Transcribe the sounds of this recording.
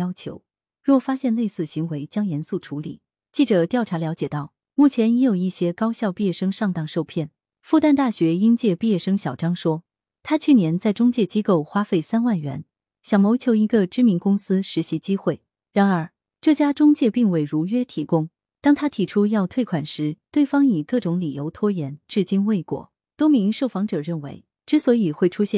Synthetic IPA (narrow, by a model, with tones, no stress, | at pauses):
ɑ˥ʊt͡ɕʰjo̰˧˥ʊ | ɻwɔ˥˩fa˥ɕjɛ˥˧nle˥˧ɪsɹ̩˥˩ɕi˧˥ŋwe˧˥ɪt͡ɕjɑ˥ŋjɛ˧˥nsu˥˩ʈ͡ʂʰu˧˥lḭ˨˩˦ | t͡ɕi˥˩ʈ͡ʂɤ˨˩t̪jɑ˥˩ʊʈ͡ʂʰa˧˥ljɑ˧˥ʊt͡ɕjɛ˨˩t̪ɑ˥˩ʊ | mu˥˩t͡ɕʰjɛ˧˥njɛ˧˥jo˨˩ʊi˥˩ɕjɛ˥kɑ˥ʊɕjɑ˥˧ʊpi˥˧jɛ˥˩ʂɤ˥ŋʂɑ˥˧ŋt̪ɑ˥˧ŋʂo˥˧ʊpʰjɛ˥˩n | fu˥˧t̪a˥˧nt̪a˥˩ɕɥɛ˧˥i˥nt͡ɕjɛ˥˧pi˥˧jɛ˥˩ʂɤ˥ŋɕjɑ˨˩ʊʈ͡ʂɑ˥ŋʂwɔ˥ | t̪ʰa˥t͡ɕʰy˥˩njɛ˧˥nt͡sa˥˩ɪʈ͡ʂʊ˥ŋt͡ɕjɛ˥˩t͡ɕi˥ko˥˩ʊxwa˥fe˥˩ɪsa˥nwa˥˩nɥɛ̰˧˥n | ɕjɑ˨˩ʊmo˧˥ʊt͡ɕʰjo˧˥ʊi˧˥ɡə˧ʈ͡ʂɻ̩˥mi˧˥nkʊ˥ŋsɹ̩˥ʂɻ̩˧˥ɕi˧˥t͡ɕi˥xwe˥˩ɪ | ɻa˧˥nə˞˧˥ | ʈ͡ʂɤ˥˩t͡ɕja˥ʈ͡ʂʊ˥ŋt͡ɕjɛ˥˧pi˥˧ŋwe˥˩ɪɻu˧˥ɥɛ˥t̪ʰi˧˥kʊ˥ŋ | t̪ɑ˥ŋt̪ʰa˥t̪ʰi˨˩ʈ͡ʂʰu˥jɑ˥˧ʊt̪ʰwe˥˩ɪkʰwa˨˩nʂɻ̩˧˥t̪we˥˩ɪfɑ˥ŋi˨˩kɤ˥˩ʈ͡ʂʊ˧˥ŋli˨˩jo˧˥ʊt̪ʰwɔ˥jɛ˧˥nʈ͡ʂɻ̩˥˩t͡ɕi˥nwe˥˩ɪkwɔ̰˨˩˦ | t̪wɔ˥mi˧˥ŋʂo˥˩ʊfɑ˧˥ŋʈ͡ʂɤ˨˩ɻə˥˩nwe˧˥ɪ | ʈ͡ʂɻ̩˥swɔ˧˥i˨˩xwe˥˩ɪʈ͡ʂʰu˥ɕjɛ˥˩